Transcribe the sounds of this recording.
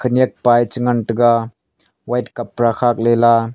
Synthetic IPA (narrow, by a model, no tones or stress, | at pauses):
kʰɯniek̚pajt͡ʃɯŋanʈɯɡa | wajtkapːɾaxʰak̚lela